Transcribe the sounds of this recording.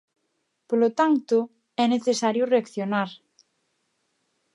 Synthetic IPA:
polot̪ant̪ʊ | ɛneθesaɾjʊreakθjonaɾ

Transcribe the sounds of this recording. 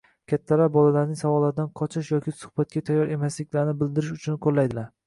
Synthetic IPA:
kʲʰat̪ʰːalabɒlalaɾnɪŋsavɒlːaɾd̪anqʰɒt͡ʃʰɪʃjɒkʲɪsʊ̥hb̥at̪̚kʲat̪ʰajːɒɾe̞maslɪkʲlaɾnɪbɪld̪ɪɾɪʃʊt͡ʃʰʊnqʰolːajd̪ɪlaɾ

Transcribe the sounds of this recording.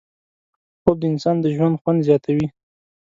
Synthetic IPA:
xob̚d̪əɪnsɑnd̪əʒwand̪xwand̪zjɑt̪ʰawi

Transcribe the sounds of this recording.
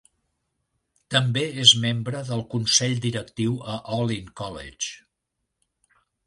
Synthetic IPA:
t̪əmbeezmembɾəðəlˠkunsɛʎd̪iɾək̚t̪iwəʔɔliŋkɔlḛt͡ʃ

